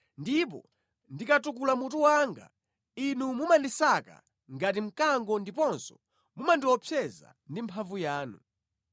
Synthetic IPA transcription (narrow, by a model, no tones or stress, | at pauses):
ndip̬ɔ̰ | ndikatuk̬ulamutuwaŋɡa̰ | inumumandisaka̰ | ŋɡatim̩kaŋɡɔndipɔnsɔ̥ | mumandiwɔpʰɛza̰ndimpʰavujaːnṵ